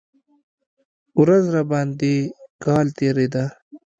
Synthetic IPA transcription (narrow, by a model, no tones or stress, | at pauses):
ʊɾɐzɾabaːnd̪ikaːlt̪eːɾid̪a